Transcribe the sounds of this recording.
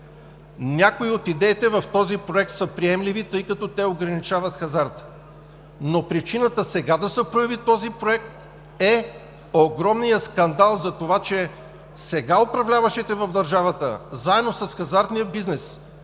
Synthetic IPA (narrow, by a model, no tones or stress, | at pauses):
nʲakoiot̪id̪ɛit̪ɛvɐft̪ɔzipɾoɛk̚t̪səpɾiɛmlivit̪ɤjkɐt̪ɔt̪ɛoɡɾɐnit͡ʃavət̪xɐzaɾt̪ | nopɾit͡ʃinət̪əsɛɡad̪ɐsəpɾojɐvit̪ɔzipɾoɛk̚t̪ | ɛ | oɡɾɔmnijəskɐnd̪alˠzɐt̪ovat͡ʃɛ | sɛɡaopɾɐvlʲavəʃit̪ɛvɐvd̪ɐɾʒavət̪ə̰zaɛd̪nosɐsxɐzaɾt̪nijəbiznɛs